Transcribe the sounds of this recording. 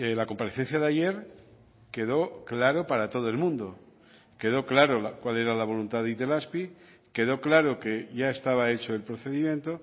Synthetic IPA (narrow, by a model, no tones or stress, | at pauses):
elako̞mpaɾe̞θe̞n̟θjaðeaʝe̞ɾ | ke̞ðo̞klaɾo̞paɾat̪o̞ð̞oe̞lmũnd̪o̞ | ke̞ð̞o̞klaɾo̞lakwale̞ɾalaβ̞o̞lunt̪aðit̪e̞laspi | ke̞ð̞o̞klaɾoke̞ʝae̞st̪aβ̞ae̞t͡ʃo̞elpɾoθe̞ðimjẽ̞nt̪o